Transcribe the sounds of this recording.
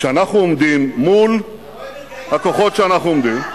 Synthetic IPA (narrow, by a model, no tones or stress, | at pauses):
ʃɛanaχnuomd̪imːul | hakoχot̪ʃeanaχnuomd̪im